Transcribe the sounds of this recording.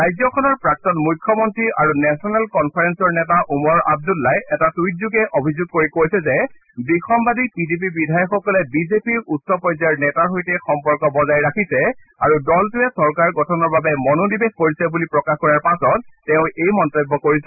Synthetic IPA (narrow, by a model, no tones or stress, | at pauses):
ɹajzɔkʰɔnɔɹpɹak̚tɔtmujkʰːɔmɔntɹiaɹunɛsɔnɛlkɔnpʰaɹɛnsɔɹnɛtaʔumɔɹa̰b̚dulːajɛtatujt̚zuɡɛʔobʱizuɡ̚koɹikojsɛzɛ | bikʰɔmbadipidip̬ibidʱajɔxɔkɔlɛbizepiɹutsɔpɔjzaɹnɛtaɹɦojtɛxɔmpɔɹkɔbɔzajɹakʰisɛ | a̰ɹudɔltuɛsɔɹkaɹɡɔtʰɔnɔɹbabɛmɔnodibexkoɹisɛbulipɹɔkaxkɔɹaɹpasɔt̚ːɛʊ̃ejmɔntɔjbːɔkoɹisɛ